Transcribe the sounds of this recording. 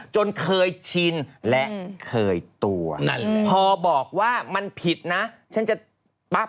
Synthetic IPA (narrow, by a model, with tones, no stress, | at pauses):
t͡ɕo˧nkʰɤː˧jt͡ɕʰi˧nlɛ˦˥ʔkʰɤː˧jt̪u˧ɐn˧pʰɔː˧bɔː˨˩k̚waː˥˩ma˧npʰi˨˩t̪̚na˦˥ | t͡ɕʰa˦˥nt͡ɕa˨˩ | ba˦˥˩